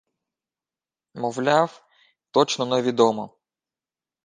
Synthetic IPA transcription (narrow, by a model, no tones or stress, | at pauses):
mɔwlʲɑw | t̪ɔt͡ʃnɔnɛʋʲid̪ɔmɔ